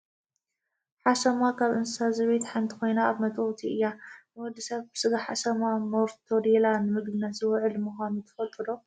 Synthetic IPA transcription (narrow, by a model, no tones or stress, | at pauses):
ħasɐmakʰaβʔɨnssazɐβet̪ħant̪ʰi̥kʰo̞jnaːβmɐt̪ʼwt̪ʰiɨjːanɨwɔd̪isɐβbɨsɨɡaħasɐmamoɾt̪ʰodelanɨmɨɡd̪ɨnazɨwʕɨlmɨxʷanut̪ʰɐ̥fɐlt̪ʼːɨlo